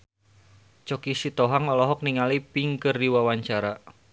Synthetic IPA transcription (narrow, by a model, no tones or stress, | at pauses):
t͡ʃɔkisit̪ɔɦaŋɔlɔɦɔk̚niŋalipiŋkərdiwawaɲt͡ʃaɾa